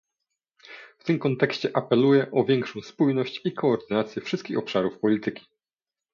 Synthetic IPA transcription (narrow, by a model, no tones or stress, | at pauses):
ft̪ɘmkɔnt̪ɛkɕt͡ɕɛʔapɛlujɛʔɔvʲjɛŋkʂɔ̃w̃spujnɔɕt͡ɕikʰɔːɾd̪ɘnat̪sʲjɛfʂɘst̪kʲixɔpʂaɾufpɔlʲit̪ɘkʲi̥